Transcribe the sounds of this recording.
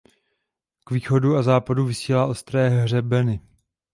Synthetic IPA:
kviːxo̞duazaːpaduvɪsiːlaːʔost̪ɾɛːɦr̝ɛbɛnɪ

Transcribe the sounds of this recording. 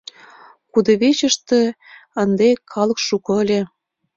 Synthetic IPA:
kud̪ɤ̆βet͡ɕə̆ʃt̪ĕ | ə̆nd̪ekʰɑlɤ̆kʃukɤ̆əlʲĕ

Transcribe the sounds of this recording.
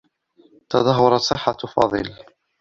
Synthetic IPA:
t̪ɑd̪ˤɑɦʊɾˤɑt̪sˤɪħːafɑ̰ðˤḭl

